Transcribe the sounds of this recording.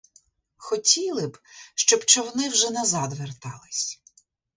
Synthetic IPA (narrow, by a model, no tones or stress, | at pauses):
xɔtʲilˠɪbʃt͡ʃɔbt͡ʃɔwɔnɪwʒɛnɐzɑd̪ʋert̪ɑ̰lˠɪsʲ